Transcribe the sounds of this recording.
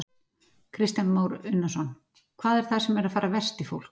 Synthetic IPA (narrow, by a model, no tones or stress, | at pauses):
kʰɾɪst̪janmoːwɾʏnːasɔn | kʰvaːðɛɾ̥θaðsɛmɛɾaðfaːɾavɛrst̪ifowl̥k